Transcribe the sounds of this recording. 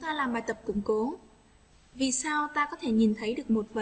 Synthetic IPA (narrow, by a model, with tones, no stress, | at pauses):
t̪aː˧laː˨˩mɓaː˨˩jt̪ə˨˩p̚kʊ̰˧˩ŋ͡mko˨˦ | vi˨˩saː˧wt̪aː˧kɔ˨˦t̪ʰe˧˩ɲi˨˩nt̪ʰə˨˦jɗɨ˨˩ək̚mo˨˩t̚və̰˧˩